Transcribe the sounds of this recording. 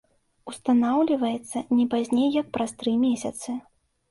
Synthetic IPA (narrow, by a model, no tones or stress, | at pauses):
ust̪anawlʲivɐjɛt̪sːɐnʲɛpazʲnʲejːɐk̚pɾast̪ɾɨmʲesʲɐt̪sɨ